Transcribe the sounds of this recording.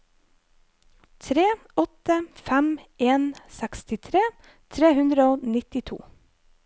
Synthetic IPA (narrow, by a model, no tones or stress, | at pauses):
t̪ʰɾeː | ɔt̪əfæmʔeːnsækst̪ɪt̪ʰɾeː | t̪ʰɾeːhʉnd̪ɾəoːnɪt̪ɪt̪ʰṵː